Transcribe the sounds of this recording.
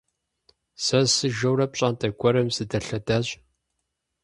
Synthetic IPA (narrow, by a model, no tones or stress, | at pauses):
sɐsɨʒɐwrɐp̚ɕʼaːntʰʼɐɡʷɔɾɐmsɨdɐɬɐdaːɕ